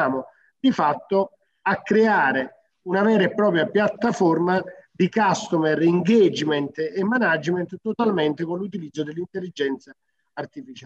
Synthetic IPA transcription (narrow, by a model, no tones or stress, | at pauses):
aːmo | d̪ifat̪ːo | akːɾeaːɾe | unavɛːɾeɛpːɾɔːpɾjapjat̪ːafɔrmad̪ikast̪omɛriŋɡed͡ʒmɛnt̪emːanad͡ʒmɛnt̪t̪ːot̪almɛnt̪ɪkonlːut̪̬ilid̪zːod̪elːint̪elːid͡ʒɛnt̪saː | rt̪ifit͡ʃa